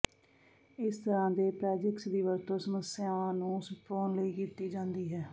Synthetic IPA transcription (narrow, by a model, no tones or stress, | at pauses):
ɪst̪əɾãːd̪eːpɾɛːd͡ʒəksd̪iːʋəɾt̪õːsəməsɪjãːnũːpoːnləiːkiːt̪iːd͡ʒãːnd̪iːɦɛː